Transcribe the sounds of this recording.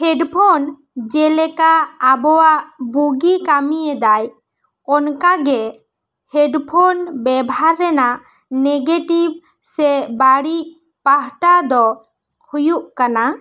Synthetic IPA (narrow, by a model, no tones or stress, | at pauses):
hɛɖpʰɔn | d͡ʒɛlɛkaːbɔwaʔbuɡikamiɛd̪aj | ɔnkaɡɛ | hɛɖpʰɔnbɛbaɾːɛnaʔ | neɡeʈib̚ | sɛbaɽiʔ | paɦʈad̪ɔ | hujuʔkana